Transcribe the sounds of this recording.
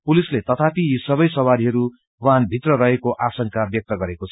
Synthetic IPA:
pulislet̪ʌt̪ʰapiisʌbʌjsʌwaɾiɦʌɾu | wanbʱit̪rʌrʌɦekoʔasʌŋkabjʌk̚t̪ʌɡʌɾekot͡sʰʌ

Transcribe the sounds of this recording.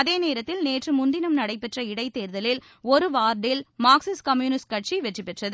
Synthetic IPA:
ɐðeːneːɾɐt̪ːɪlneːʈrɯmʊnd̪ɪnɐmnɐɽɐɪpːɛʈrɐɪɽɐɪt̪ːeːɾðɐlɪl | ɔɾɯʋaːɾɖɪlmaːksɪskɐmjuːnɪskɐʈ̚t͡ʃiʋɛʈrɪpːɛʈrɐðɯ

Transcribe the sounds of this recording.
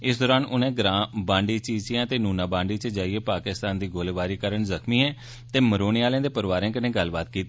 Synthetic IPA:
ɪsd̪ɔːɾaːnʊnẽːɡɾãːbãːɳɖiːt͡ʃiːt͡ʃɪjãːt̪eːnuːnaːbãːɳɖiːt͡ʃəd͡ʒaːieːpaːkɪst̪aːnd̪iːɡoːleːʋaːɾiːkəɾəɳzəkʰmiːɦɛ̃ː | t̪eːməɾoːnɪaːlẽːd̪eːpəɾʋaːɾẽːkənẽːɡəlbaːt̪kiːt̪ː

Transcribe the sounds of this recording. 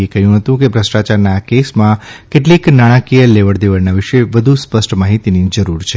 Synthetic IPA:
ekəɦjũɦət̪ũkebʱɾəsʈat͡ʃaɾnaːkesmãkeʈliknaɽ̃ãkijəleʋəɽd̪eʋəɾnaʋɪʃeʋəd̪ʱuspəsʈmaɦit̪inid͡ʒəɾuɾt͡ʃʰe

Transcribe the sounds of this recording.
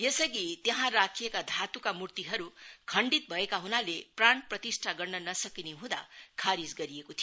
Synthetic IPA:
jesʌɡit̪jeɦãrakʰijekad̪ʱat̪ukamurt̪iɦʌɾukʰʌɳɖit̪̚bʱʌekaɦunalepraɳprʌt̪isʈʰaɡʌrnʌnʌsʌkineɦũd̪a̰kʰaɾid͡zɡʌɾijekot̪ʰijo

